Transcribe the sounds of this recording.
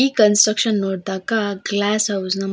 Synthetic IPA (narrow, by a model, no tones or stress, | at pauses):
ikənsʈɾəkʂənːoɽt̪akaɡlæsɦawznam